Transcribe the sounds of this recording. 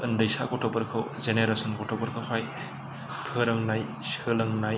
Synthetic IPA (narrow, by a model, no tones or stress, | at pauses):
ɯndɯjsakɔtʰɔpɐɾkʰɯwzeneɾasɔnkɔtʰɔpɐɾkʰɯkʰaj | pʰɯɾɐŋnaj | sɯlɐŋnaj